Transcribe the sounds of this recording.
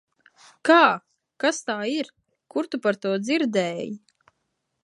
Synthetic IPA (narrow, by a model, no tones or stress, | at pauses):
kaː | kast̪aːiɾ | kuɾt̪upaɾt̪uɔd̪ziɾd̪ɛːji